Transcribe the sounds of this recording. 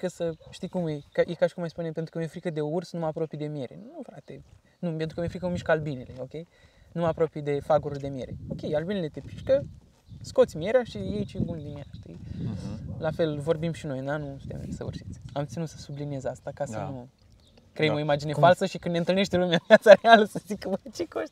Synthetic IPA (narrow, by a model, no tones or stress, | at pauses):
kəsəʃt̪ijkumekjekaʃi̥kumajspunempent̪ɾukəmefɾikəd̪e̞oursnuməapɾo̞pijd̪emije̞ɾḛnufɾat̪e̞ | nupent̪ɾukəmefɾikəomiʃkəalbinile̞o̞kʲe̞jnuməapɾo̞pijd̪e̞faɡoɾurd̪e̞mie̞ɾeo̞kʲe̞jalbinele̞t̪e̞pi̥ʃkə | sko̞t̪sʲmie̞ɾeaʃijejt͡ʃebund̪imia̰ʃt̪ḭ | lafe̞lvo̞rbimʃino̞jɨnanusu̥t̪ḛm̰sə̰ṵrsi̥t̪sʲamt̪sinut̪sə̥sublinie̞zast̪akasənu | kɾeemoimad͡ʒinefalsəʃikɨnent̪ɨlne̞ʃt̪elumʲjaviasaɾealəsəzikəət͡ʃekoʃt̪ʲ